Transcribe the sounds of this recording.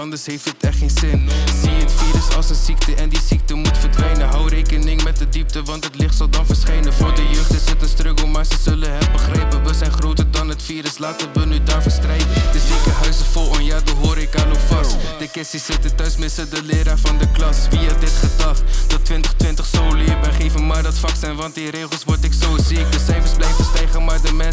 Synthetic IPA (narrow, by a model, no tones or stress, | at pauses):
ɑndəsɦejftətɛχtχenzɪnziətfiːɾəsɑlˠsənziktəʔɛndizik̚təmutfəɹdʋɛjnənɦɑwrejkənɪŋmɛt̚dədip̚təʋɑntɦətlɪχtsɑlˠdɑnfəɹsχɛjnənvʊːɹdəjøχtəsɛtənstrøkəmaːɹzəzɵlənɦɛbəχrɛjpənʋəzɛjnχrowtəɹdɑnɦətfiːɾəslaːtənʋənydaːɹfəstrɛjtdəzikəɦœɥsəfʊlɔnjaːdɑnɦoːɾɪkanofɑstd̥əkɛstisɪtətœɥsmɪsədəlɪːdaːɹfɑndəklɑsfiadɪtχədɑχd̥ɑtːʋɪntəχtʋɪntəχsowlɪːbəχejvəmaːɹdɑtfɑksɛjnʋɑntiɾeːχəlˠsʋɔɹtɪksosiɪk̚dəsɛjfəɹzblɛjfəstɛjχənmaːɹdəmɛn